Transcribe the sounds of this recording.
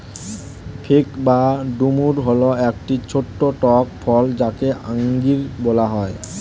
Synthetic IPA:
pʰekbaɖumuɾɦɔloɛkʈit͡ɕʰoʈːoʈɔkpʰɔld͡ʑakeʔaŋɡiɾbolaɦɔe

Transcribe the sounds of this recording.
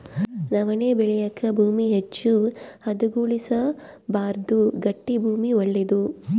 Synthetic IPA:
nɐʋɐneːbeɭijɐkʰːɐbʱuːmiɦet͡ʃːuhɐd̪uɡuːɭisɐ | baːɾd̪uɡɐʈːibʱuːmiɐɭːid̪u

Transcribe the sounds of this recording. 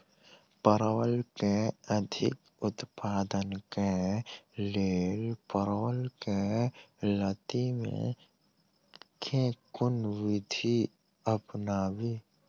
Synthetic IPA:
pəɾwəlkeəd̪ʱɪ̰k | ʊt̪paːd̪ənke | leːlpəɾwəlke | lət̪imḛ̃ | kʰẽkʊnʋɪd̪ʱi | əpnaːwiː

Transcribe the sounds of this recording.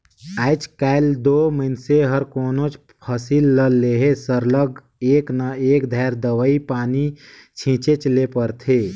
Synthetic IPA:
aːɪt͡ʃkaːɪld̪oːməɪnseɦəɾkoːnot͡ʃ | pʰasilːəlːeɦesəɾləɡ | eːknaeːkd̪ʱaːɾd̪əʋəipaːnit͡ʃʰĩːt͡ʃet͡ʃlepəɾt̪ʰeː

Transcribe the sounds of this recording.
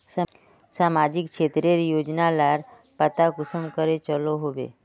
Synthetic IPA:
sa | samad͡ʑikʃet̪ɾeɾjod͡ʒnalaɾ | pət̪akusəmkəɾet͡ʃəloɦoʋḛ

